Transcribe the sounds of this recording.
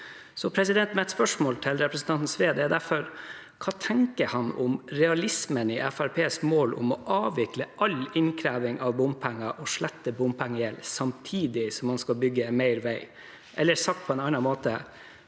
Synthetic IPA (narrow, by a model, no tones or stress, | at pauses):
sɔpʰɾɛsɪd̪ɛnt̪mɛt̪spœʂmoːlt̪ʰɪlɾɛpɾəsn̩t̪ɑnt̪n̩sʋeːd̪əæːɾd̪æɾfɔɾ | kʰɑːt̪ʰɛŋkəɾhɑnʊ̰mɾɛɑlɪsmənɪʔæfæɾpʰeːsmoːlʔʊ̰mɔʔɑːʋɪkləʔɑlɪnkʰɾæːʋɪŋʔɑʋbʊmpʰæŋːɑʔɔʂɭɛt̪ːəbʊmpʰæŋːəjɛlsɑmt̪ʰiːd̪ɪsɔmhɑnskɑlbʏɡːəɛmæɪɾʋæɪ | ʔɛlːəsɑk̚t̪̚pʰɔɛnɑnːɑmoːt̪ə